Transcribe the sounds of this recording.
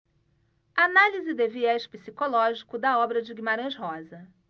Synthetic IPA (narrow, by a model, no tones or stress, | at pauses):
analizɪd̪eviɛʃpisikolɔʒikʊd̪ɐɔbɾɐd͡ʒɪɡimaɾɐ̃ʃɦɔzɐ